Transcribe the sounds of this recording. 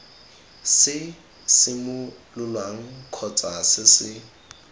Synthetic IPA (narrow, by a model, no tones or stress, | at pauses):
sɪ | sɪmʊlʊlwaŋ̩kʰɔt͡sʼasɪsɪ